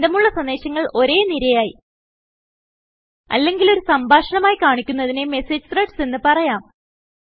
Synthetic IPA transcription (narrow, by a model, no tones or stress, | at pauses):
d̪ɐmuɭːɐsɐnd̪e̞ːɕɐŋːɐɭo̞ɾe̞ːniɾɐjaːji | ɐ̰lːe̞ŋɡilo̞ɾusɐmbʱaːʂɐɳɐmaːjikaːɳikʲːunːɐðineme̞se̞ːd͡ʑɨt̪reʈse̞nːɨpɐrɐjaːm